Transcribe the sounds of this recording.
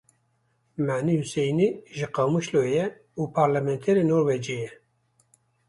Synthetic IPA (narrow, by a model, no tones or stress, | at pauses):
maːnihusɛjniʒɨqɑwmuʃlojɛ | upʰɑɾlamɛnt̪ʰɛɾenoːɾwɛd͡ʒejɛ